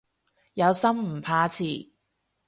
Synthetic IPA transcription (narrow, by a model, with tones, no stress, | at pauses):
jɐ˨˧wsɐ˥mm̩˨˩pʰaː˨˧t͡sʰiː˨˩